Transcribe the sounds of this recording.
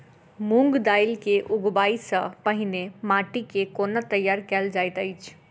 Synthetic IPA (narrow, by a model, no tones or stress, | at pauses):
mũŋɡd̪aːɪlkeʔʊɡbaːisəpəɦɪnemaːʈikekoːnat̪əjːaːɾkɛld͡ʒaːɪt̪əɪt͡ʃʰ